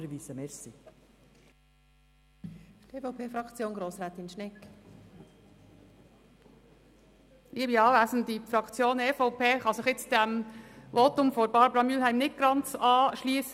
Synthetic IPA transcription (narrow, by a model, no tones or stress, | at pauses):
ɾəviːsəmɛɾsi | teːfoʊpʰeːfɾɑkt͡sjoːnɡɾoːsɾæːt̪ɪnʃnɛk | liːəbiɑːvæːzən̩difrɑkt͡sjoːneːfɔʊpʰeːχɑsɪχɪt͡sd̥ɛmvoːtʊmfɔɾbɑːɾbɾɑmylɦæɪmnɪt̚ɡ̥ɑnt͡sɑːʃliːs